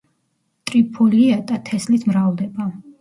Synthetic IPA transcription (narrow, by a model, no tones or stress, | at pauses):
t̪ʼɾipʰɔliat̪ʼat̪ʰɛslismɾavd̪ɛba